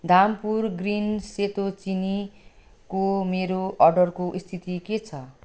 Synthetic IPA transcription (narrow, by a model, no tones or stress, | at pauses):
d̪ʱampurɡrinset̪ot͡sini | komeɾoʌrɖʌrkoʔist̪ʰit̪iket͡sʰʌ